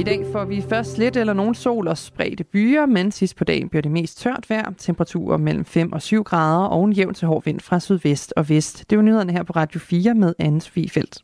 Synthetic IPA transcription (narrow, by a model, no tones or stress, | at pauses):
id̥ɛ̰ːfɒʋifɶɐsd̥sle̝d̥elɐno̝ːn̩so̝̰ːlɒ̽sb̥ʁɛ̰ːd̥əb̥yːɐmensisd̥̚pʰɒ̽d̥ɛ̰ːɪn̩b̥iɐd̥eme̝̰ːsd̥̚t͡sʰɶɐ̰d̥ʋæɐ̰t͡sʰempʰəʁɑ̈t͡sʰṵːɐmel̰m̩fem̰ʔɒ̽syʊ̰ɡ̥ʁɑ̈ːð̞ˠɐʔɒ̽ʊe̝njeʊnt͡sʰe̝ɦɒ̰ːʋe̝n̰d̥fʁɑ̈syð̞ˠʋesd̥ɒ̽ʋesd̥ːe̝ʋnyðˠɐnəɦæɐ̰pʰɒ̽ʁɑ̈ːd̥jo̝fiːɐmeðˠæn̩so̥fḭːifel̰d̥